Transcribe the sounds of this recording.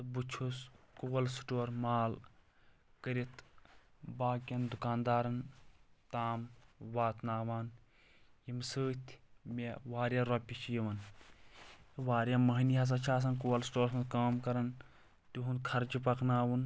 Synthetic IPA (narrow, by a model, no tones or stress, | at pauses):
t̪ɨbut͡ʃʰuskuːɐlsʈoːɾmaːl | kəɾit̪ʰ | baːkʲɐnd̪ukaːnd̪aːɾɐnt̪aːmʋaːt̪naːʋaːn | jimsɨːt̪ʲʰmeʋaːɾjaɾɔpʲit͡ʃʰjiʋɐn | ʋaːɾjamɐɦniɦɐs̬ɐt͡ʃʰaːs̬ɐnkuwɐlsʈoːɾɐkaːmkɐɾɐn | t̪uɦund̪kʰɐɾd͡ʒipɐknaːwun